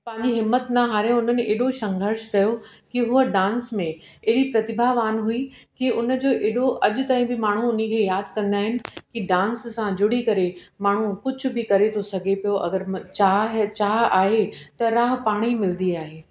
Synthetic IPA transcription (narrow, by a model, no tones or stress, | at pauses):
pɐ̃ɦɪ̃ɲd͡ʑiɦɪmːət̪nɐɦaːɾẽʊn̤ənɪ̆eːɗoʃɐ̃ŋɡʱəɾʃkɐjokiɦʊəɖãːnsmẽ | eɦɽipɾɐt̪ɪbʱaʋaːnɦui | kiʊnə̆d͡ʑoːʔeːɗoʔɐʄʊ̆t̪aːĩbɪmaːɳ̤̃uʊn̤ikʰeːjaːd̪ʱkɐ̃nd̪aːɦɪnɪ̆kiɖãːnssãd͡ʑʊɽ̤ikɐɾemaːɳ̤ukʊd͡ʑʱʊ̆bɪkɐɾet̪ʰosɐɡʱepijoʔɐ̰ɡəɾt͡ɕaːɦt͡ɕaːɦaːɦet̪ɐɾaːɦpaːɽ̃imɪld̪iaːɦeː